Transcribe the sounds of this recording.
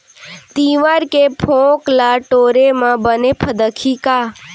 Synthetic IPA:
t̪iːʋaɾkepʰõːklaʈoːɾemãbənepʰəd̪əkʰikaː

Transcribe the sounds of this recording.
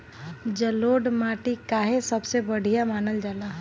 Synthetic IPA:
d͡ʒɐloːɖmaːʈikaːɦesɐbsebɐɽ̤ijamaːnəld͡ʒalaːɦ

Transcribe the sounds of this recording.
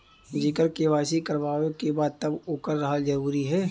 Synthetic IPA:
d͡ʒɪkəɾkeʋaːsikɐɾʋaːʋekebaːd̪̚t̪ɐboːkəɾːɐɦəlzɐɾuːɾiɦɛː

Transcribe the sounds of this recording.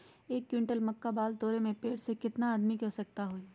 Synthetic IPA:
eːkːjɪ̃ɳʈəlmɐkːabaːld̪ɔːɾemẽpeːʈsekɪt̪naːd̪mikɛsɐk̚t̪aɦoːi

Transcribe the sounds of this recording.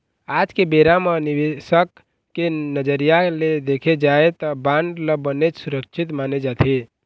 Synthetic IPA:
aːd͡ʒkebeɾaməniʋesəkː | enəd͡ʒəɾijaled̪eːkʰed͡ʒaet̪ɔbãɳɖləbənet͡ʃsʊɾəkt͡ʃʰit̪maːned͡ʒaːt̪ʰi

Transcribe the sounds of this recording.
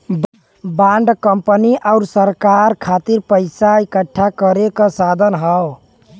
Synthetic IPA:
baɳɖkəmpəniʔaʊɾsəɾkaɾkʰat̪iɾpəɪsaikəʈʰːakəɾekəsad̪ʱənɦəw

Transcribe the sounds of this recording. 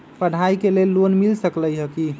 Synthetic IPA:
pəɽ̤ʱaikelelːonmilsəkləjɦəki

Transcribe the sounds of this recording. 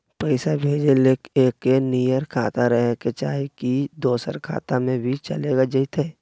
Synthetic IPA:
pəɪsabʱeːd͡ʒeleːkeːkːenijəɾkʰaːt̪aɾəɦket͡ʃaːɦekid̪oːsə̰ɾkʰa̰ːt̪amẽbʱit͡ʃə̰leːɡad͡ʒəɪt̪eː

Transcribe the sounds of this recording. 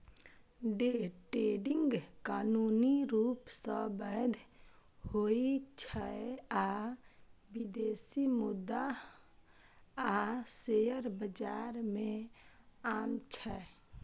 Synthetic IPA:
ɖeʈeɖɪŋɡkaːnuniɾuːpsəbəjd̪ʱhoit͡ʃʰəea | bid̪esimʊd̪ːa | asejəɾbəd͡ʒaːɾmẽ | aːmt͡ʃʰɛ

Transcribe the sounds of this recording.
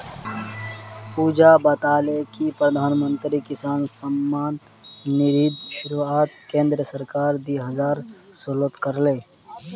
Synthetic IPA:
puːd͡ʒabət̪aːlekipɾəd̪ʱaːnmə̃nt̪ɾikɪsaːnsəmːaːnː | ɪɾiːd̪ʃʊɾuaːt̪̚kẽːnd̪ɾəsəɾkaːɾd̪iɦɐzaːɾ | solət̪kəɾleː

